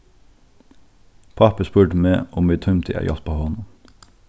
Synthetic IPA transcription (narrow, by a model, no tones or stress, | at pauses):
pʰɑpəspʉːʈəmeːʔɔmiːt̪ʰœmt̪ʰɪ̰ʔæ̰jʔɑ̰t̪pʰoːhoːn